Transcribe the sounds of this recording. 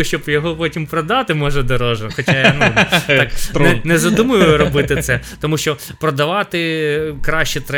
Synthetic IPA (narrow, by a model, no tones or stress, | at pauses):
ʃt͡ʃɔbjɔɦɔpɔtʲimpɾɔd̪ɑt̪ɪmɔʒɛd̪ɔɾɔʒɔxɔt͡ʃajɐnudt̪ɑk̪ɛnɛzɐd̪umɐjʊjʊɾɔbɪt̪ɪt̪sɛt̪ɔmuʃt͡ʃɔpɾɔd̪ɐʋɑt̪ɪkɾɑʃt͡ʃɛt̪ɾɛ